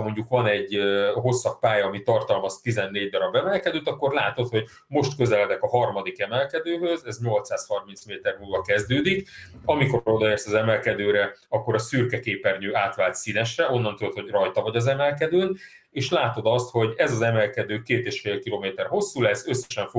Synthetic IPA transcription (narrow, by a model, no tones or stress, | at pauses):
mo̞ɲɟukʋɒnɛɟːɦo̞sːɒk̚paːjɒːmit̪ɒrt̪ɒlmɒst̪izɛnːeːɟd̪ɒɾɒbɛmɛlkɛd̪øːt̪ɒkːo̞rlaːt̪o̞t̪ho̞ɟ | mo̞ʃt̪kø̞zɛlɛd̪ɛkɒɦɒrmɒd̪ikɛmɛlkɛd̪øːɦøzɛzɲo̞lt̪saːshɒrmint̪smeːt̪ɛrmuːlvɒkɛzd̪øːd̪ikɒmiko̞o̞d̪ɒeːrsɒzɛmɛlkɛd̪øːɾɛɒkːo̞ɾɒsyrkɛkeːpɛrɲøːaːt̪ʋaːlt̪sinɛʃrɛʔo̞nːɒnt̪ud̪ot̪ho̞ɟrɒjt̪ɒvɒɟɒzɛmɛlkɛd̪øːn | eːʃlaːt̪o̞d̪ɒst̪ho̞ɟɛzɒzɛmɛlkɛd̪øːkeːt̪eːʃfeːlkiloːmeːt̪ɛrɦo̞sːulɛzø̞sːɛ̥ʃɛɱfo